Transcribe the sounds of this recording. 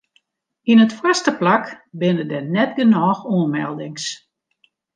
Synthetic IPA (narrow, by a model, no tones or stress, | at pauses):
inətfwastəplakbɪnədɛnɛt̚ɡənɔːxoənmɛ̰lˠdɪŋs